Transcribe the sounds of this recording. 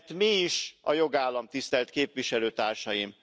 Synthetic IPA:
t̪miːʃɒjo̞ɡaːlːɒmt̪ist̪ɛlt̪keːpʋiʃɛløːt̪aːrʃɒjim

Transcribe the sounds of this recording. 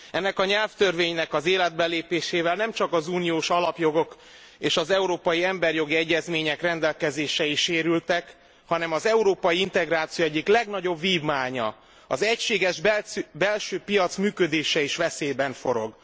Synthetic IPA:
ɛnːɛkɒɲɛlft̪ørveːɲnɛkɒzeːlɛd̪̚bɛleːpeːʃeːvɛlnɛmt͡ʃɒkɒzuːnijoːʃɒlɒpjo̞ɡo̞k | eːʃɒzɛuɾoːpɒjiɛmbɛrjo̞ɡiɛɟːɛzmeːɲɛkrɛnd̪ɛlkɛzeːʃɛiʃeːɾylt̪ɛk | hɒnɛmɒzɛuɾoːpɒjiint̪ɛɡraːt̪sijoɛɟːiklɛɡnɒɟo̞bːiːvmaːɲɒ̰ | ɒzɛcʃeːɡɛʒbbɛlʃøːpijɒt̪smyːkød̪eːʃɛiʃʋɛseːbɛɱfo̞ɾo̞̰ɡ

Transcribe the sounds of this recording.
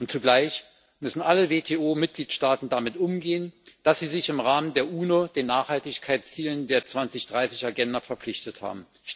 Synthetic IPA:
ʔʊntt͡suɡlaɪç | mʏsn̩ʔaləveːtʰeːoːmɪt̚ɡ̥liːtʃtaːtn̩damɪtʔʊmɡeːənd̥asz̥iːzɪçɪmʁaːməndeːɐʔuːnoːd̥eːnːaːχhaltɪçkʰaɪtt͡siːləndeːɐt͡sv̥ant͡sɪçd̥ʁaɪsɪçaɡɛndɐfɛɐp͡fflɪçtətha̰ːbm̩ | ʃ

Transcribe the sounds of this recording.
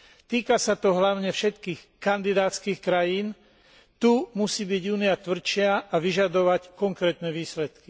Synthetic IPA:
t̪iːkasat̪ɔɦlaʊɲɛfʃɛt̪kiːx | kand̪id̪aːt͡skiːxkɾajiːn | t̪umusiːbiɟuːniat̪ʋr̩t͡ʃɪaaʋiʒad̪ɔʋackɔŋkɾɛːt̪nɛʋiːslɛt̪ki̥

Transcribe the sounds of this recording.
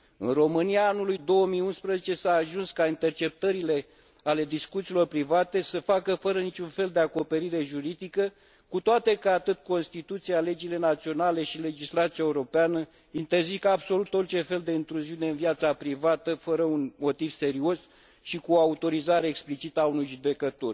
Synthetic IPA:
ɨ̰nro̞mɨniaanulujd̪o̞wəmiunspɾəzet͡ʃe̞saːʒunskaint̪e̞rt͡ʃe̞p̚t̪əɾile̞ | ale̞d̪iskut̪siːlo̞rpɾivat̪e̞səfakəfəɾənit͡ʃʲunfe̞ld̪e̞ako̞pe̞ɾiɾe̞ʒuɾid̪ikə | kut̪oat̪e̞kaat̪ɨt̪̚ko̞nst̪it̪ut̪siale̞d͡ʒile̞nat̪sio̞nale̞ʃile̞d͡ʒislat̪siaeuɾo̞peanə | int̪e̞rzikabso̞lut̪o̞rt͡ʃe̞fe̞ld̪e̞int̪ɾuziune̞ɨnviat̪sapɾivat̪əfəɾəunmo̞t̪iv̥se̞ɾio̞s | ʃikuoaut̪o̞ɾizaɾeːksplit͡ʃit̪aunujʒud̪e̞kət̪o̞rʲ

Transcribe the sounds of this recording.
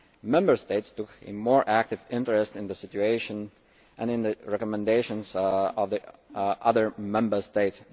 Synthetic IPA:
mɛ̃mbə˞steɪtstʊkʰɨ̰mɔɹʔæk̚tɨvɪ̃ntəɹɛstɨ̃nðəsɪt͡ʃueɪʃə̃n | ʔɨ̃nɨ̃nðɨɹɛkɔmɛ̃ndeɪʃə̃nzɔvðiʔʌðə˞mɛ̃mbə˞steɪts

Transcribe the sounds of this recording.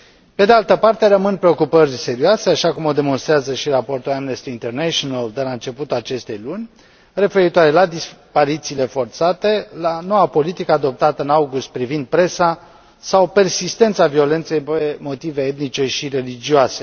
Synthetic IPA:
pe̞d̪ealt̪əpart̪e̞ɾəmɨnpɾe̞o̞kupərʲse̞ɾioase̞aʃakumo̞d̪e̞mo̞nst̪ɾeazəʃirapo̞rt̪ulamnest̪iint̪e̞rneʃionald̪e̞laɨnt͡ʃe̞put̪ulat͡ʃe̞st̪e̞jlunʲ | re̞fe̞ɾit̪oaɾe̞lad̪ispaɾit̪siːle̞fo̞rt̪sat̪e̞lano̞wapo̞lit̪ikəad̪o̞p̚t̪at̪əɨnawɡust̪̚pɾivind̪̚pɾe̞sa | sawpe̞rsist̪e̞nt̪savio̞le̞nt̪sejpemo̞t̪ive̞et̪nit͡ʃe̞ʃire̞lid͡ʒioase̞

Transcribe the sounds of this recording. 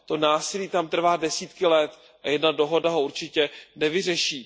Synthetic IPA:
t̪o̞naːsɪliːt̪amt̪r̩vaːdɛsiːt̪kɪlɛt̪ | ʔajɛdnado̞ɦo̞daɦouɾt͡ʃɪcɛnɛvɪrɛʃiː

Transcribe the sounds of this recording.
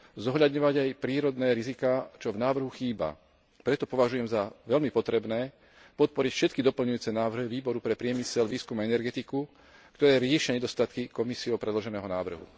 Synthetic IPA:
zɔɦʎad̪ɲɔʋaɟajpɾiːɾɔd̪nɛːɾizikaːt͡ʃɔvnaːʋr̩ɦuxiːba̰ | pɾɛt̪ɔpɔʋaʒujɛmzaʋɛʎmipɔt̪ɾɛbnɛː | pɔt̪̚pɔɾicfʃɛt̪̚kid̪ɔpl̩ɲujuːt͡sɛnaːʋr̩ɦiʋiːbɔɾupɾɛpɾɪɛmisɛlʋiːskumaɛnɛɾɡɛt̪iku | kt̪ɔɾɛːɾɪɛʃɪaɲɛd̪ɔst̪at̪kikɔmisiɔʊpɾɛd̪lɔʒɛnɛːɦɔnaːʋr̩ɦṵ

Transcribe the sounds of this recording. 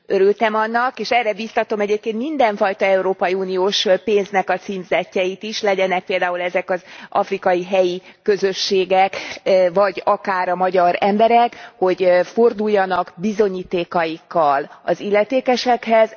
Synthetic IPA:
øɾylt̪ɛmɒnːɒkeːʃɛrɛbist̪ɒt̪o̞mɛɟeːp̚keːnt̪mind̪ɛɱfɒjt̪ɒɛuɾoːpɒjiuːnioːʃpeːnznɛkɒt̪siːmzɛcːɛjit̪iʃlɛɟɛnɛk̚peːld̪aːulɛzɛkɒzʔɒ̰frikɒjiɦɛjikø̞zøʃːeːɡɛkvɒɟɒkaːɾɒmɒɟɒɾɛmbɛɾɛkho̞ɟfo̞rd̪ujːɒnɒɡbizo̞ɲiːt̪eːkɒjikːɒlɒ̰zilːɛt̪eːkɛʃɛkhɛz

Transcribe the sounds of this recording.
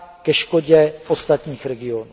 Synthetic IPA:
kɛʃkoɟɛfost̪at̪ɲiːxɾɛɡɪonu

